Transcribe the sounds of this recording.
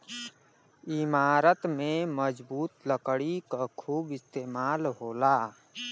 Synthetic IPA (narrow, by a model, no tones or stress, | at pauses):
ɪmaːɾət̪mẽməd͡ʒbuːt̪ləkɽikakʰuːbɪst̪eːmaːlɦoːlaː